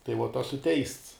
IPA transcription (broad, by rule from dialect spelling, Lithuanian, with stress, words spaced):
tɐɪ ʋoːt ˈoːsʊ tʲɛɪsts